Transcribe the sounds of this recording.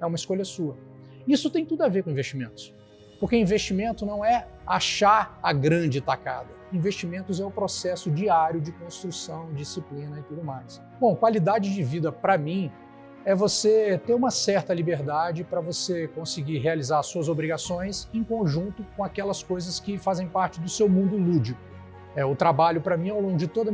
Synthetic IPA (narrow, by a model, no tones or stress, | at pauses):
ɛũmɐiskoʎɐsuɐ | isʊt̪ẽj̃t̪ud̪uaveɾkõĩvest͡ʃimẽnt̪ʊ̥s | poɾkeĩvest͡ʃimẽnt̪ʊnɐ̃w̃ɛaʃaɾɐɡɾɐ̃d͡ʒɪt̪aka̰d̪ɐĩvest͡ʃimẽnt̪ʊzɛʊpɾosɛsʊd͡ʒiaɾjʊd͡ʒɪkõst̪ɾusɐ̃w̃d͡ʒisiplĩnɐɪt̪ud̪ʊmajs | bõw̃kwalid̪ad͡ʒɪd͡ʒɪvid̪ɐpɾɐmĩ | ɛvoset̪eɾũmɐsɛɾt̪ɐlibeɾd̪ad͡ʒɪpɾɐvosekõsɪɡiɾɦealizaɾsuɐzobɾiɡasõj̃sẽkõʒũnt̪ʊkõakɛlɐskojzɐskɪfazẽj̃paɾt͡ʃɪd̪ʊsewmũnd̪ʊlud͡ʒikʊ | ɛʊt̪ɾabaʎʊpɾɐmĩɛawlõŋɡʊd͡ʒɪt̪od̪ɐ